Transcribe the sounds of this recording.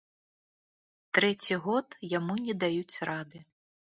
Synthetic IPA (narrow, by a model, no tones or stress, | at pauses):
t̪ɾɛt͡sʲiɣɔt̪jamunʲɛd̪ajut͡sʲrad̪ɨ